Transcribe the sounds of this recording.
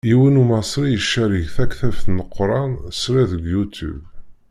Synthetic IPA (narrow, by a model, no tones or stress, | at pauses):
iwənumɑsˤɾijəʃːæɾiʝθækθæfθnəqːɾˤɑnsɾæðəɡjut̪ṵb